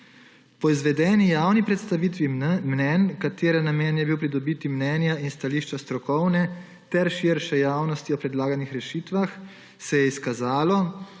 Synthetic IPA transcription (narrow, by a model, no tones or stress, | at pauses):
pɔizʋɛd̪ɛːnijaːwnipɾɛt̪st̪aʋiːt̪ʋimnɛnkat̪eːɾanamɛːnjɛbiwpɾid̪ɔbiːt̪imnɛːnjainst̪aliːʃt͡ʃast̪ɾɔkɔwnɛ | t̪ɛɾʃiɾʃɛjaːwnɔst̪iɔpɾɛd̪laːɡanixɾɛʃiːt̪ʋax | sɛjɛiskazaːlɔ